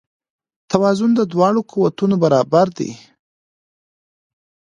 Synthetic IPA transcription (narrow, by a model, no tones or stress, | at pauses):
t̪awɑzʊnd̪əd̪wɑɽokuwat̪unobaɾɑbaɾd̪ḭ